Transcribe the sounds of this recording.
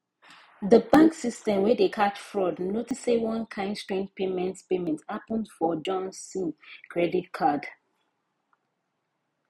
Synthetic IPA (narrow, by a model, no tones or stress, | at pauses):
ðəbãŋksistɛ̃mwɛdekʰat͡ʃfɹɔdnotisewɔ̃nkʰãɪ̃ndstɹɛ̃npemɛ̃ntpemɛ̃ntapə̃ndfɔd͡ʒɔ̃nssĩkʰɹɛditkʰad